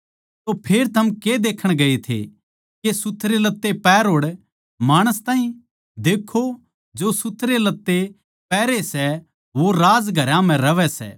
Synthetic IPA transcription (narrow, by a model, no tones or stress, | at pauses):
t̪opʰeːɾt̪ʰɐmked̪eːkʰəɽ̃ɡɐet̪ʰḛ | kesʊt̪ʰːɾelɐt̪ːepɛːɾɦoːɽ | maːɽ̃əst̪aːɦĩ | d̪eːkʰo | d͡ʒosʊt̪ʰɾelɐt̪ːe | pɛːɾesɛ | ʋoɾaːd͡ʒɡʱɐɾãm̤ɛ̃ɾɐʋɛsɛ̰ː